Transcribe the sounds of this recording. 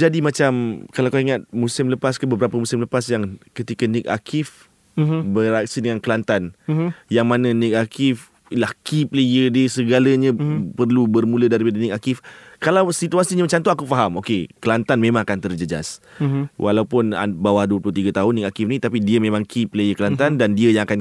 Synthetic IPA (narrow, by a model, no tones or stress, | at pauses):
d͡ʒadimat͡ʃamkalakaiŋat̪̚musɪmləpaskəbəbəɾapəmusɪmləpasjaŋkət̪ikənik̚a̰kʰɪf | bəɾak̚sidəŋankəlant̪anjaŋmananik̚akɪf | ilahkipləjədiəsəɡalaɲãpərlubərmũlədaɾipadanik̚akɪfkalawsit̪uasiɲamət͡ʃamt̪oakufaɦamokekəlant̪anmẽmãŋakant̪ərd͡ʒəd͡ʒa̰s | wʔa̰lawpʊna̰bawahduəplʊht̪iɡat̪aɦʊnːik̚akɪfnit̪apidiəmẽmãŋkʰipləjəkəlant̪andandiəjaŋakan